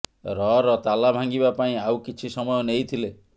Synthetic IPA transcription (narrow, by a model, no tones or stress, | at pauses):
ɾɔɾɔt̪alabʱaŋɡibapaĩawkit͡ʃʰisɔmɔjɔnejt̪ʰile